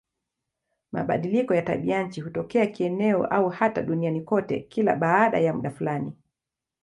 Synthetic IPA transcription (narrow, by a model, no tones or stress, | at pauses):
ma̰ɓa̰ɗilikɔjata̰ɓiaɲ̩t͡ʃihutɔkɛakiɛnɛɔ̰ʔauhata̰ɗunianikɔtɛ̰kila̰ɓaːɗa̰jamuɗafulani